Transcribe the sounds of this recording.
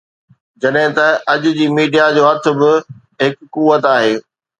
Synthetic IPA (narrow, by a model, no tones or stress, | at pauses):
d͡ʑɐɗɦɪ̃t̪ɐɐʄʊ̆d͡ʑiːmiːɖijad͡ʑoːɦɐt̪ʰʊ̆bɪ | ɦɪkːuʋət̪aːɦeː